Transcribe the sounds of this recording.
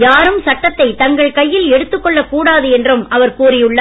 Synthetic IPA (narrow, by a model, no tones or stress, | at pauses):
jaːɾɯmsɐʈːɐt̪ːɐɪt̪ɐŋɡɐɭkɐjːɪlɛɽɯt̪ːɯkːɔɭːɐkuːɽaːðɯɛndrɯmɐʋɐɾkuːrɪjɯɭːɐ